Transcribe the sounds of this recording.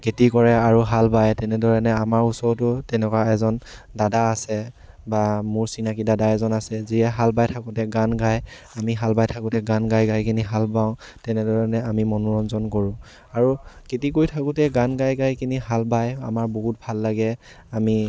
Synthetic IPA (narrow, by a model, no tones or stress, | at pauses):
ketikɔɹɛaɹuɦalbajtɛnɛdɔɹɛnɛamaɹusɔɹtʊtɛnɛkwaɛzɔn | dadaːsɛ | bamʊɹsinakidadaɛzɔnasɛziɛɦalbajtʰakʊtɛɡanɡaj | amiɦalbajtʰakʊtɛɡanɡajɡajkiniɦalbaʊ̃ | tɛnɛdɔɹɛnɛamimɔnɔɹɔnzɔnkoɹʊ̃ | aɹuketikojtʰakʊtɛɡanɡajɡajkiniɦalbaja̰maɹbɔɦut̚bʱalːaɡɛ | ami